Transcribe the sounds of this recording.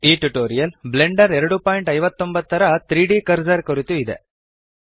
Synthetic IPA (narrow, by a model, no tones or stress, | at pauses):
iːʈːuʈːoːɾɪjɐlblɛɳɖɐɾɛɾɐɽɯpaːjɪɳʈɐɪʋɐt̪ːɔmbɐðt̪ːɐɾat̪ɾiːɽiːkɐɾd͡ʒɐɾkɔɾɪt̪ːɯɪðɛ̰